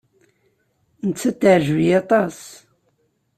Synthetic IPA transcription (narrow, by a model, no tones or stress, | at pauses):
nət͡sːæt̪ːaʕʒvijɑt̪ˤɑs